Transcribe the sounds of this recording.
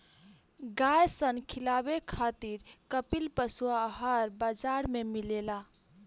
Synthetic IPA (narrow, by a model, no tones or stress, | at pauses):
ɡajsənkʰilabekʰat̪iɾkəpilpəsuaɦaɾbad͡ʒaɾmemilela